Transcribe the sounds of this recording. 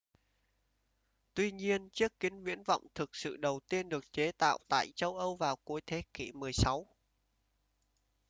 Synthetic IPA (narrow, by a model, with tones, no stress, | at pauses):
t̪wi˧ɲi˧ənt͡ɕɨ˦˥əkːï˨˦ŋ̟vwḭ˧˥ənvɔ̰˧˨wŋ͡mt̪ʰɨ˨˩k̚sɨ̰˧˨ɗə˨˩wt̪i˧ənɗɨ˨˩ək̚t͡ɕe˨˦t̪a̰ː˧˨wt̪a̰ː˧˨jt͡ɕə˧wʔə˧wvaː˨˩wku˨˦əjt̪ʰe˨˦kḭ˧˩mɨ˨˩əjsa˨˦w